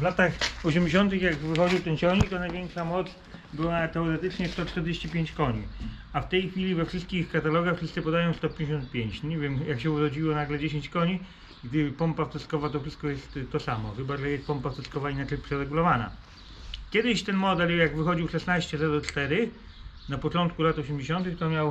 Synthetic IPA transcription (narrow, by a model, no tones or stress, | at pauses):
vlat̪axɔɕɛmd͡ʑeɕ̬ɔnt̪ɘxjaɡvɘxɔd͡ʑiwt̪ɛnt͡ɕɔɲit̪ɔnajvʲeŋkʂamɔt̪s | bɘwat̪ɛɔɾɛt̪ɘt͡ʂɲɛst̪ɔt͡ʂt̪ɛɾd͡ʑeɕt͡ɕipʲjeɲt͡ɕkɔɲiaft̪ɛjxfʲilʲivɛfʂɘst̪kʲixkat̪alɔɡaxfʂɘst̪sɨpɔd̪ajɔ̃w̃st̪ɔp̬ʲjɲd͡ʑeɕ̬ɔ̃nt̪̚pʲjeɲt͡ɕɲevʲjɛmjakɕ̬ɛuɾɔd͡ʑiwɔnaɡlɛd͡ʑeɕeɲt͡ɕkɔɲi | ɡd̪ɘpɔmpaft̪ɛskɔvat̪ɔfʂɘst̪̚kɔjɛst̪t̪ːɔsamɔxɘbalɛjɛst̪̚pɔmpaft̪ɛskɔvainat͡ʂɛjpʂɛɾɛɡulɔvana̰ | kʲɛd̪ɪɕt̪ɛnmɔd̪ɛljaɡvɘxɔd͡ʑiwʂɛsnaɕt͡ɕɛzɛd̪ɔt͡ʂt̪ɛɾɘ | napɔt͡ʂɔnt̪̚kulat̪ɔɕemd͡ʑeɕɔnt̪ɘxt̪ɔmʲjaw